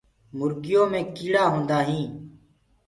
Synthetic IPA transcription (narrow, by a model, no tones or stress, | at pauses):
mʊɾɡɪjõːmẽːkiːɽaːɦõːnd̪aːɦĩː